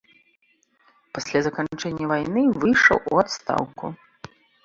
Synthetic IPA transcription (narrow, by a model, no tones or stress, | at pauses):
pasʲlʲazɐkant͡ʂɛnʲːɐvajnɨvɨjʂɐ̰wʔṵat̪st̪a̰wkṵ